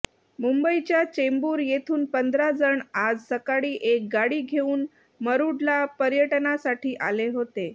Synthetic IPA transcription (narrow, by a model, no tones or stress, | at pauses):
mumbəit͡ɕjat͡ɕembuːɾjet̪ʰuːnpənd̪ʱɾad͡zəɳad͡zsəkaɽiːʔek̚ɡaɽiːɡʱeuːn | məɾuɽlapəɾjəʈnasaʈʰiːʔaleɦot̪e